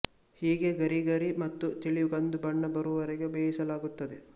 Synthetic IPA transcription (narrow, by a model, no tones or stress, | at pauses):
hiːɡe̞ɡɐɾiɡɐɾimɐt̪ːut̪iɭiɡɐnd̪ubɐɳːɐbɐɾuʋɐɾeɡebeːɦisɐlaːɡut̪ːɐd̪e